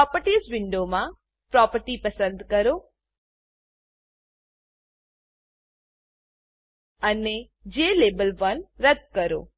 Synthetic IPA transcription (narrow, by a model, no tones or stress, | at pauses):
ɔpəɾʈizʋɪɳɖomã | pɾɔpəɾʈipəsə̃nd̪kəɾo | əne | d͡ʒelebəlʋənɾəd̪̚kəɾo̰